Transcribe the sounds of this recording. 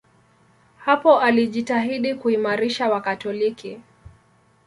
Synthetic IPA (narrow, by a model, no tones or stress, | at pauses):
hapɔʔaliʄitaɦiɗikuimaɾiʃawakatɔliki